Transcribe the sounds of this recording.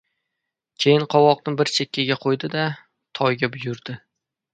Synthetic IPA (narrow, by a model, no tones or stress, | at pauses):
kʲʰe̞jɪnqʰɒwɒqnɪbɪɾt͡ʃʰekʲʰːaɡʲaqʰojd̪ɪd̪a | t̪ʰɒjɡʲabʊjʊɾd̪̥ɪ